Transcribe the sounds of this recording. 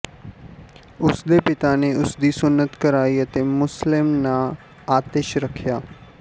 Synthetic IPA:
ʊsd̪eːpɪt̪aneʊsd̪iːsʊnːət̪kəɾaːiət̪emʊslɪmnaː | aːt̪eːʃɾəkʰjaː

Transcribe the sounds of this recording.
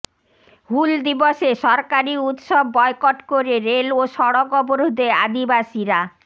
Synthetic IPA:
ɦuld̪iboʃeʃɔɾkaɾiut̪ʃobːɔekoʈkoɾeɾeloʃɔɽokɔboɾod̪ʱead̪ibaʃiɾa

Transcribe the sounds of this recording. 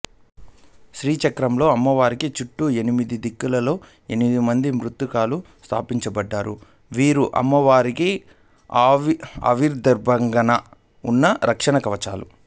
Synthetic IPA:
ʃɾiːt͡ʃɐkɾɐmlo̞ːɐmːɐʋaːɾikit͡ʃuʈːue̞nimid̪id̪ikːulɐlo̞ː | e̞nimid̪imɐnd̪imɾut̪ːukaːlu | st̪ʰa̰ːpiɲt͡ʃɐbɐɖːaːɾu | ʋiːɾuʔɐ̰mːɐʋaːɾiki | ɐ̰ʋiɾd̪ʱɐɾbʱɐŋɡɐnɐ | unːɐɾʔɐkʂɐɳɐkɐʋɐt͡ʃaːlṵ

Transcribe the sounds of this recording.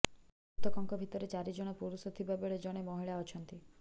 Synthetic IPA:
uk̚t̪ɔkɔŋkɔbʱit̪ɔɾet͡ʃaɾid͡ʒɔɽ̃ɔpuɾusɔt̪ʰibabeɭed͡ʒɔɽ̃emɔɦiɭaɔt͡ʃʰɔnt̪i

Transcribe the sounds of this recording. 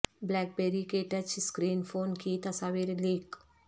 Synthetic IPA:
blɛk̚beɾikeːʈət͡ʃskɾiːnfoːnkiːt̪ɐsaʋiɾleːk

